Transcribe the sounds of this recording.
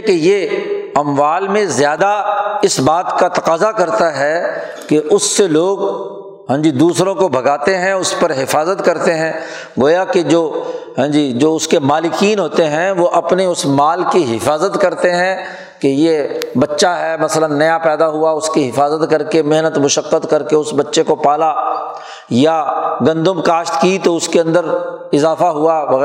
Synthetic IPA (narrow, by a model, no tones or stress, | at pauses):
kejeɐmʋaːlmẽzjaːd̪aɪsbaːt̪kat̪ɐqaːzakɐɾt̪aɦɛ | keʔʊsːeloːɡ | ɦə̃d͡ʒid̪uːsɾõkobʱɐɡaːt̪eɦɛ̃ʊspɐɾɦɪfaːzət̪kɐɾt̪eɦɛ̃ː | ɡoːjaked͡ʒoːɦə̃ːd͡ʒiːd͡ʒoːʊskemaːlɪkiːnɦoːt̪eɦɛ̃ʋoʔɐpneʊsmaːlkiɦɪfaːzət̪kɐɾt̪eɦɛ̃ | kejebɐtːʃaɦɛmɐslənːɐjapɛːd̪aɦuaʊskiɦɪfaːzət̪kɐɾkemeɦnət̪mʊʃəqːət̪kɐɾkeʊsbɐtːʃekopaːla | jaɡɐ̃nd̪ʊmkaːʃt̪kit̪oʊskeɐ̃nd̪əɾɪzaːfaɦuaʋɐɣ